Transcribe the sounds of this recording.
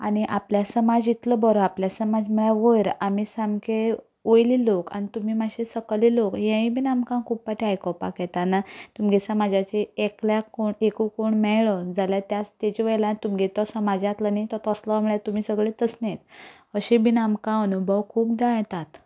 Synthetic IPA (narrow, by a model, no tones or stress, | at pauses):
añiʔapljasəmad͡zit̪ləbəɾoapljasəmad͡zm̤əɭaʋəjɾamisamke | ojliloka̰nit̪um̤iːmaɕesəkəlilokɦɛ̃ĩbinamkãŋkʰuppaʈiɦajkɔpa̰kɛt̪anat̪umɡesəmad͡ʑʱat͡ɕeekljakoɳekukoɳmɛɭɔd͡zaljat̪jat͡st̪et͡ɕɔʋəjlant̪umɡet̪ɔsəmad͡ʑat̪lənajt̪ɔt̪ːsləməɭjet̪umiːsəɡɭet̪əsnet̪ | əɕebʱinamkãənubʱəwkʰuːpd̪ãjt̪at̪